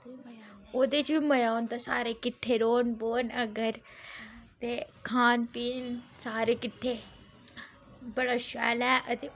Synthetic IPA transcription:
oːd̪et͡ʃbimɐjaːond̪asaːɾekɪʈʰːeɾoːnboːnɐɡəɾ | t̪ekʰaːnpiːnsaːɾekɪʈʰːe | bɐɽaʃa̰ːlɛːʔət̪e

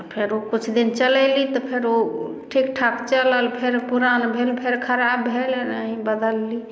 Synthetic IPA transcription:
pʰeɾokut͡ʃʰd̪int͡ʃəlɛlit̪ɔpʰeɾo | ʈʰikʈʰapʰt͡ʃələlpʰeɾpuɾanbʱelpʰeɾkʰəɾabːʱelnaɦĩbəd̪əlːi

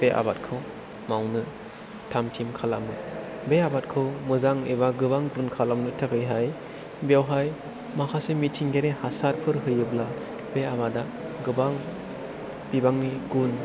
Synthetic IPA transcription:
b̥eʔa̰bat̚kʰɯw | mawnɯ | tʰamtʰimkʰalamnɯ | beabat̚kʰɯwmɯzaŋeβaɡɯbaŋɡunkʰalamnɯtʰɯkʰɯjɦaj | bjawɦaj | makʰasemitʰiŋɡeɾehasaɾpʰɯɾɦɯjɯbla | beabada | ɡɯbaŋ | b̥ibaŋniɡun

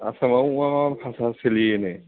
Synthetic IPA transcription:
a̰samawamapʰasaseliene

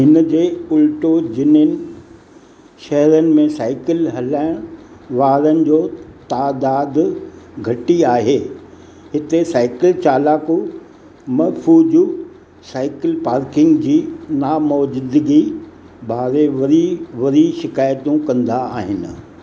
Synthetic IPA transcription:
ɦɪnəd͡ʑeːʊlʈod͡ʑɪnənɪ̆ | ʃɐɦɾənɪ̆mẽsaːɪkɪlɦɐlaːɪɽ̃ʋaːɾənɪ̆d͡ʑoːt̪aːd̪aːd̪ɡʱɐʈiaːɦeː | ɦɪt̪esaːɪkɪlt͡ɕaːlaːku | mɐfʰuːd͡ʑu | saːɪkɪlpaːɾkɪ̃ŋɡd͡ʑiːnaːmɔːd͡ʑɪd̪ɪɡi | baːɾeʋɐɾiʋɐɾiʃɪkaːjt̪ũkɐ̃nd̪aa̰ːɦɪnɪ̆

